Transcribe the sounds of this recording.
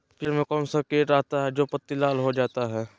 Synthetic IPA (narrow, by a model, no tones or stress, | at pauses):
pʰɪɾmẽkɔːnsɐkeːʈɾɐɦt̪aɦɛd͡ʒoːpɐt̪ːilaːlɦod͡ʒaːt̪aɦɛː